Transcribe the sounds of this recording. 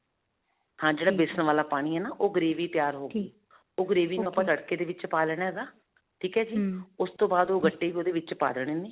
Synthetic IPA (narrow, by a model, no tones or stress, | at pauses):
hãːd͡ʒeːɽaːbɪsənʋaːlaːpaːɽ̃iːɦɛːnaːʔoːɡəɾeːʋiːt̪ɪjaːɾɦoːɡeː | oːɡəɾeːʋiːnũːəpːãːləɽkeːd̪eːʋɪt͡ʃpaːlɳ̃ːɦɛːɡaː | ʈʰiːkɛːd͡ʒiːʊst̪õːbaːd̪oːɡəʈːeːioːd̪eːʋɪt͡ʃpa̰ːləɽ̃eːneː